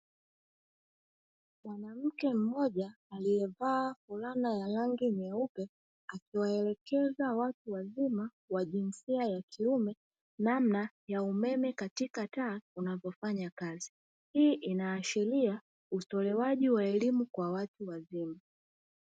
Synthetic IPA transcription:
mwanam̩kɛm̩mɔʄaː | lijɛvaːfulanajalaŋɡimɛupɛ | akiwaɛlɛkɛzawatuwazima | waʄinsiajakʰiumɛ | namnajaumɛmɛkatikataːunavɔfaɲakazi | hiːʔinaːʃilia | usɔlɛwaʄiwaɛlimukwawatuwazima

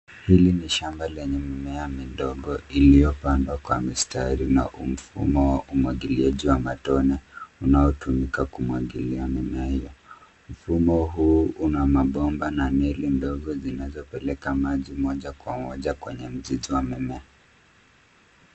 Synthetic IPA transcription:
hiliniʃambalɛɲɛmɛmɛamindɔɠɔilijɔpandwakwa̰mistaɾina̰ʔum̩fṵmɔwaʔumwaɠiliaʄiwamatɔnɛunaɔtumikakumwaɠḭliamɛmɛahijɔ | m̩fumɔɦuːunamaɓɔmbanamɛlindɔɠɔzinazɔpɛlɛkamaʄimɔʄakwamɔʄakwɛɲɛm̩ziziwamɛmɛa

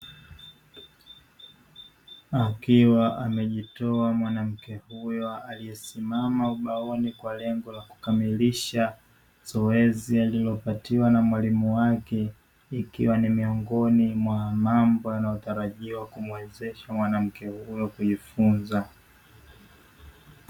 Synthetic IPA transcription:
akiwaʔamɛʄitɔamwanam̩kɛhujɔaliɛsimamauɓaɔnikwalɛŋɡɔlaku̥kamiliʃa | z̥ɔɛzialilɔpatiwanamwalimuwakɛ | ikḭwanimiɔŋɡɔnimwamambɔjanaɔtaɾaʄiɔwakumwɛzɛʃamwanam̩kɛhujɔkuʄifunza

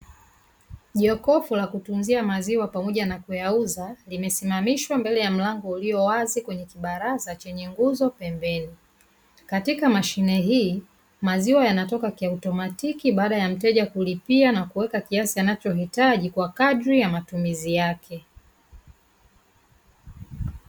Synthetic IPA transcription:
ʄiɔkɔfulakutunziamaziwapamɔʄanakujauzalimɛsimamiʃwambɛlɛjam̩laŋɡɔuliɔwazikwɛɲɛkiɓaɾazat͡ʃɛɲɛŋɡuzɔpɛmbɛni | katikamaʃinɛɦiː | maziwajanatɔkakiautɔmatikiɓaːɗajam̩tɛʄakulipianakuwɛkakiasianat͡ʃɔɦitaʄikwakaɗɾijamatumizijakʰɛ

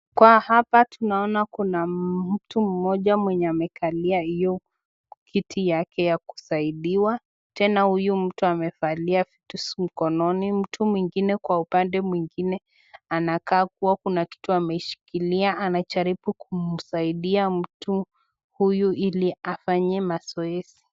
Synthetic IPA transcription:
kwahapatʰunaɔnakunam̩tum̩mɔʄamwɛɲɛamɛkʰaliahijɔ | kʰitʰijakɛjaku̥saiɗiwa | tɛnahujum̩tuamɛfaliafi̥tusm̩kɔnɔnim̩tʰumwiŋɡinɛkwaupandɛmwiŋɡinɛ | anakaːk̚uwakunaki̥tuamɛʃi̥kiliaanat͡ʃaɾipukumm̩saiɗiam̩tu | hujuiliafaɲɛmasɔɛsi̥

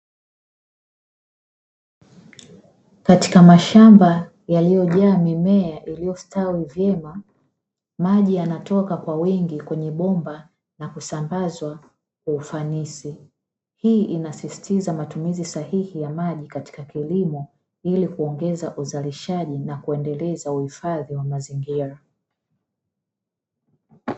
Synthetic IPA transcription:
kati̥kamaʃamba | jalijɔʄaːmimɛaʔilijɔstawivjɛma | maʄijanatɔkakwawiŋɡikwɛɲɛɓɔmba | nakusambazwa | kwaufanisi | hiːʔinasisi̥tizamatumizisahihijamaʄikati̥kakilimɔ | ilikuɔŋɡɛzaʔuzaliʃaʄinakuɛndɛlɛzauhifaðiwamaziŋɡiɾa

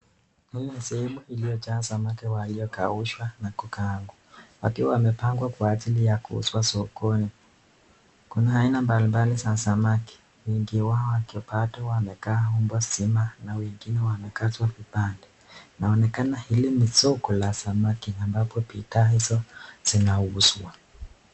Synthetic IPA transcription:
hilisɛɛmuhilijɔt͡ʃasamakiwalijɔkauʃwanakukaŋɡwawa̰kiwawamɛpaŋɡwakwaːʄilijakṵṵswasɔkɔni | kunaainambalimbalisasamaki̥ | wɛŋɡiwaɔwakiɔpatɔwamɛkaːhumbɔsimanawɛŋɡinɛwamɛkatwavipandɛ | naɔnɛkanahilinisɔkɔlasamakiambapɔpitaːhizɔz̥inauswa

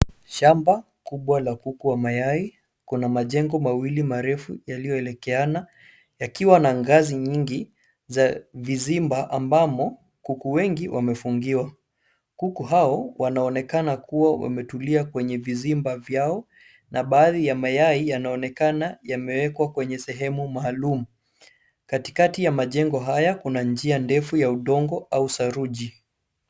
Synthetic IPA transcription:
ʃamba | kuɓwalakukuwamajai | kunamaʄɛŋɡɔmawilimaɾɛfujalijɔɛlɛkɛana | jakiwanaŋɡaziɲiŋɡi | zavizimbaʔambamɔ | kukuwɛŋɡiwʔamɛfuŋɡiwa | kukuɦaɔwanaɔnɛkanakuwawa̰mɛtuliakwɛɲɛvizimbavjaɔ | nʔaɓaːðijamajaijanaɔnɛkanajamɛwɛkwakwɛɲɛsɛɦɛmumaːlumu | kati̥katijamaʄɛŋɡɔɦajakunand͡ʒiandɛfujauɗɔŋɡɔausaɾuʄi

